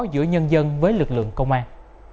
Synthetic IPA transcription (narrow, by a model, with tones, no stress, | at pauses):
zɨ̰˧˥əɲə˧nzə˧nvəː˨˦jlɨ˨˩k̚lɨ̰˧˨əŋkə˧wŋ͡mʔaː˧n